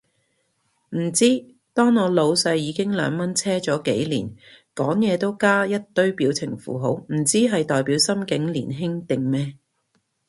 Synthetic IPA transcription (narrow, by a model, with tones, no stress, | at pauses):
m̩˨˩t͡siː˥ | t̪ɔː˥ŋɔː˨˧lo˨˧wsɐ˧jːiː˨˧kɪ˥ŋlœ̰ː˨˧ŋmɐ˥nt͡sʰɛː˥t͡ʃɔː˨˥ke˨˥jlḭː˨˩nkɔː˨˥ŋjɛː˨˧t̪o˥wkaː˥jɐ˥t̚t̪ɵ˥ɥpiː˨˥wt͡sʰɪ˨˩ŋfṵː˨˩ɦo˨˥wm̩˨˩t͡siː˥ɦɐ˨jt̪ɔː˨jpiː˨˥wsɐ˥mkɪ˨˥ŋliː˨˩nɦɪ˥ŋt̪ɪ˨ŋmɛː˥